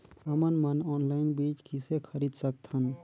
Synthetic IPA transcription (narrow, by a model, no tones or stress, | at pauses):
əmənmənɔːnlaɪnbit͡ʃkisekʰəɾiːd̪sək̚t̪ʰən